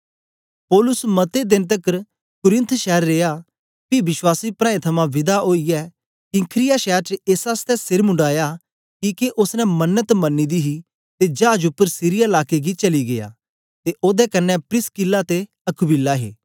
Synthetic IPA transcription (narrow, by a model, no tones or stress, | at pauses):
pɔːlʊsmɐt̪ed̪ɪ̃nt̪̬ɐkəɾ | kʊɾɪ̃nt̪ʰʃɛːɾːeːa | pibɪswaːsipɾãːẽt̪ʰɐmãʋɪd̪aɦoːiɛː | kikʰɾɪjaʃɛːɾt͡ʃəeːsaːst̪ɛsɪɾmʊ̃ɳɖaːja | kiːkeʔʊsnɛmɐnːət̪mɐnːid̪iɦi | t̪ed͡ʒaːd͡ʒʊpːəɾsiɾɪjalaːkeɡit͡ʃɐliɡḛja̰ | t̪eʔoːd̪ɛkɐnːɛpɾɪskɪlːat̪e | ɐkʰʊbɪlːaɦḛː